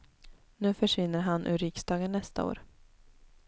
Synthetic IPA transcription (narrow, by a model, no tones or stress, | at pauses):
nʉ̟ːfœʂvɪnːəɾɦanʔʉ̰ːɾɪksd̪ɑːɡənːɛst̪a̰o̰ːɾ